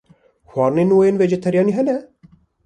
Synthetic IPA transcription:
xʷɑːɾnenwojenved͡ʒɛt̪ʰɛɾjɑːniɦɛnɛ

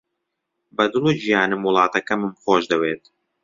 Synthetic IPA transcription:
bɐd̪ɨlˠuʒijaːnɨmwʊlˠɑːt̪ɐkɐmɨmxoːʃd̪ɐweːt̪

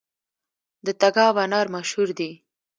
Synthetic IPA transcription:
d̪ət̪aɡɑwanɑɾmaʃhuɾd̪i

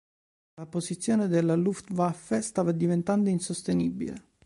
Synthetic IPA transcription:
lapozit̪sːjoːned̪elːaluft̪vafest̪aːvad̪ivent̪and̪oinsost̪enibːḭlḛ

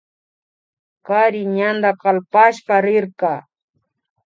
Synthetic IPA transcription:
kaɾɪɲand̪akalpaʃpaɾɪɾkɑː

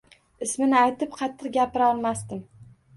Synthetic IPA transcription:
ɪsmɪnɪajt̪ɪp̚qʰɑt̪ʰːɪqɡʲapɪɾɒlˠmast̪ɪm

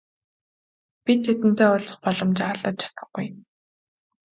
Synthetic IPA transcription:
pʲit̪ʰːet̪ɘ̆n̥t̪eːʊɮʲt͡sɞ̥̆χpɔɮɞ̆mt͡ɕarɮə̆t̪̚t͡ɕʰḁt̪ə̆χɡuj

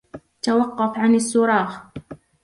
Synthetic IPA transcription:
t̪awɑqːɑfʕanasːʊɾˤɑːx

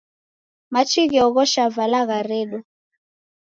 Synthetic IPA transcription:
mat͡ʃiɣɛɔɣɔʃavalaɣaɾɛɗɔ

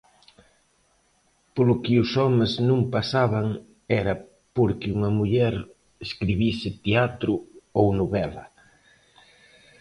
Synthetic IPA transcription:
polʊkɪʊsɔmɪznũŋpasaβaŋ | ɛɾɐ | poɾkɪuŋɐmuʎɛɾ | eskɾiβisɪt̪eat̪ɾʊownoβɛlɐ

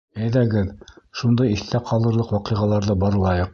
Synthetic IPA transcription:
æjðæɡɘðʃund̪ɑjiθt̪æqʰɑlˠɤ̆ɾlˠɤqwɑqɤ̆ʁɑlˠɑɾðɤbɑɾlˠɑjɤq̚

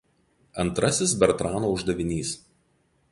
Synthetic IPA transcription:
ɐnˑt̪ɾɐsʲɪsbʲɛɾt̪ɾɑːnoːʊʒd̪ɐʋʲɪnʲiːs

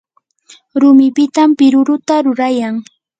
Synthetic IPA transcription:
ɾʊmɪpɪt̪ampɪɾʊɾʊt̪aɾʊɾajaŋ

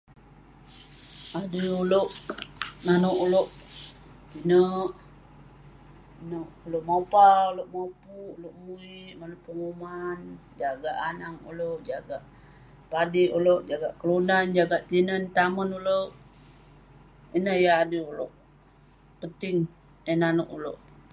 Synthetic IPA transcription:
adəuloʔnanoʔuloʔ | kinəʔ | noʔuloʔmaupauloʔmapuʔuloʔmuiʔmanoʔpəŋuman | d͡ʒaɡaʔanaŋṵloʔd͡ʒaɡaʔ | padiʔuloʔd͡ʒaɡaʔkəlunand͡ʒaɡaʔt̪inənt̪amənuloʔ | inəhjaːdəuloʔ | pənt̪ɪŋ | ənanoʔulo̰ʔ

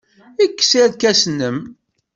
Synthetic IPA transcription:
ikːə̥sæd̪kæsnəm

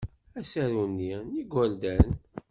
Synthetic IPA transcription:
æsæɾunːiniɡʷæld̪æɾn

